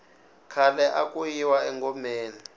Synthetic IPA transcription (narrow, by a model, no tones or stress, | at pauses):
kʰalɛʔakʼujiwaɛŋɡɔmeːni